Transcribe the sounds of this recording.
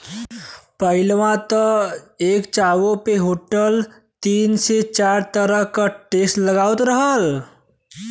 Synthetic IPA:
pəɪlmãt̪əeːkt͡ʃawopeɦoʈəl | t̪iːnset͡ʃaːɾt̪əɾəɦkaʈesʈləɡaːwt̪ɾəɦəl

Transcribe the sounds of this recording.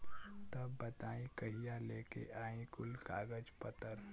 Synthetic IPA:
t̪ɐbːɐt̪aːĩkɐɦijaleːkḛʔaːĩkʊlkaːɡəd͡ʒpət̪əɾ

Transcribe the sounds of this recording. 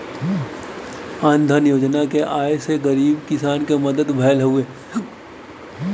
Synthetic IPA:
ãːnd̪ʱanjoːd͡ʒnakeʔaːeseɡɐɾiːbkɪsaːnkemɐd̪əd̪bʱɛːlɦueː

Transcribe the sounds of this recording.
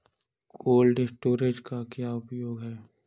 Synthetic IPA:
koːlɖɪsʈoːɾed͡ʒkakjaʊpjoːɡɦɛː

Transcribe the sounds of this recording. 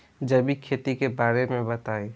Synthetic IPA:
d͡ʒəbʱikʰeːt̪ikebaːɾemẽbət̪aːe

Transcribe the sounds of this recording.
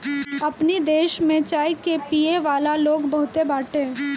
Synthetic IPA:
ɐpnid̪eːʃmẽt͡ʃaːjkepiːeʋaːlaloːɡbɐɦʊt̪ebaːʈe

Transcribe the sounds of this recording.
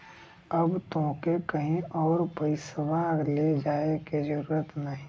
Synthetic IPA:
əbt̪õːkekɐɦĩɔːɾpəisəbaːɡled͡ʒaːekid͡ʒəɾuːɾət̪nəɦĩ

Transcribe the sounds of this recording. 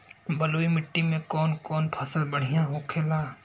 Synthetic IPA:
bəloːimɪʈːimẽkɔːnkɔːnpʰɐsəlbəɽ̤ijãɦoːkʰeːlaː

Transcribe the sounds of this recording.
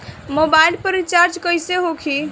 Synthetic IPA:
mobailpəɾit͡ʃaɾd͡ʒkəjseɦokʰi

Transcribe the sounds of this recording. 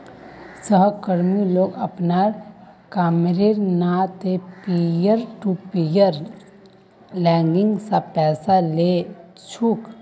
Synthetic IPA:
səɦkəɾmiloːɡəpnaːɾkaːmɾeɾnat̪epijəɾʈupijəɾ | lɛ̃ːŋɡɪ̃ŋɡsapɛːsalet͡ʃʰuːk

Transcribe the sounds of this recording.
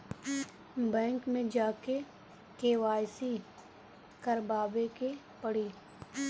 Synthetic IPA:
bɛ̃ːŋkmẽd͡ʒaːke | keːʋaːjsi | kəɾbaːbeke | pɐɽiː

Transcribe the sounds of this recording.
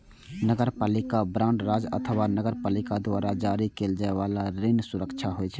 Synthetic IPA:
nəɡəɾpaːlɪkabɾãːʊɳɖɾaːd͡ʒə̰t̪ʰəwanəɡəɾpaːlɪkad̪waːɾad͡ʒaːɾikeld͡ʒaeʋaːlaɾensʊɾəkt͡ʃʰaɦoɛt͡ʃʰɛ

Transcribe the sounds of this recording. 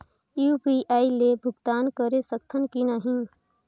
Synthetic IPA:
juːbiʔaːilebʱʊɡt̪aːnkəɾesək̚t̪ʰənkinəɦĩ

